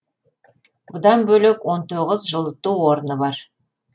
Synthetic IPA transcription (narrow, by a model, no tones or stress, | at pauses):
bʊd̪ɑnbɵlekwo̞nt̪ʰoʁəzʒəlˠt̪ːuwwo̞ɾənəbɑɾ